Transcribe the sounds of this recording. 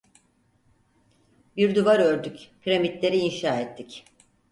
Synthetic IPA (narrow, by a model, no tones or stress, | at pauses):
biɾd̪uvaɾøɾd̪ycpʰiɾamit̪lʲe̞ɾiːnʃaːet̪ʰːic